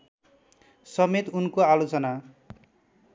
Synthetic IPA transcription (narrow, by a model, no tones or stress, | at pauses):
sʌmet̪unkoalot͡sʌna